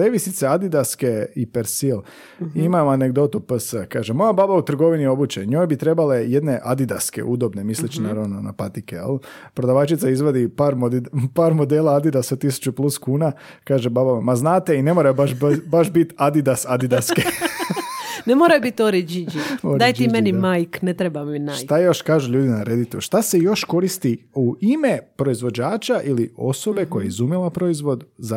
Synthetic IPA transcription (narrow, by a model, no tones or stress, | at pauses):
leʋisit̪sead̪id̪askeipeɾsil | imajane̞ɡd̪o̞t̪upəsəkaːʒemojababaut̪r̩ɡo̞ʋinio̞but͡ɕeɲoːjbit̪ɾe̞bale̞jed̪ne̞ʔad̪id̪a̰skḛʔud̪o̞bne̞mislet͡ʃinaːɾaʋno̞na̰pat̪ikejḛl | pɾo̞d̪aʋat͡ʃit̪saizʋod̪ipaːɾmod̪paːɾmo̞d̪eːlˠaad̪id̪asot̪isu̥t͡ɕuplˠuskuːna | kaːʒebabamaznaːt̪e̞ine̞moɾajobaʃbaʃbit̪ad̪id̪asad̪id̪aske | nemoɾajobit̪oɾed͡ʒid͡ʒioɾd̪aːj̪imenimajknet̪ɾebaminaʃjt̪ajo̞ʃkaːʒuʎuːd̪inaɾe̞d̪it̪oʃt̪ase̞jo̞ʃko̞ɾist̪iuime̞pɾo̞izʋo̞d͡ʑaːt͡ʃaʔilio̞̰so̞be̞ko̞jaizumilˠapɾo̞izʋo̞d̪za